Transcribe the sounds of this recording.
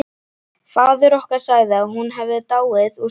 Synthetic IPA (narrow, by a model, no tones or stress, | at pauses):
faːðʏɾɔhkaɾ̥saːɣðɪaðɦunɦɛvɪt̪aːwɪðu